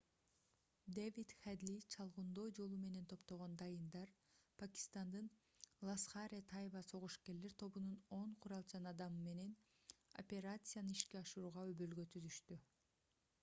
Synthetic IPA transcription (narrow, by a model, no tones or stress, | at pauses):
d̪evʲit̪χad̪lʲit͡ʃʰɑlˠʁund̪o̞ːd͡ʒo̞lˠume̞ne̞nt̪ʰo̞pt̪oʁo̞nd̪ɑjɯnd̪ɑɾpʰakʲi̥st̪ɑnd̪ɯn | lˠasχaɾʲet̪ʰajβɑso̞ʁuʃke̞ɾle̞ɾt̪ʰo̞βununo̞ɴqʰuɾɑlˠt͡ʃʰɑnɑd̪ɑmɯme̞ne̞n | o̰pʲe̞ɾat̪sɨjanɯiʃkeɑʃɯɾuːʁɑøβølɡø̞t̪ʰyzyʃt̪y